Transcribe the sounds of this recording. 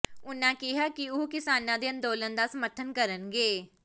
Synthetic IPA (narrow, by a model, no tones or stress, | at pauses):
ʊnːãːkɪɦaːkɪʊkɪsaːnãːd̪eːə̃nd̪oːlənd̪aːsəməɾt̪ʰənkəɾənɡeː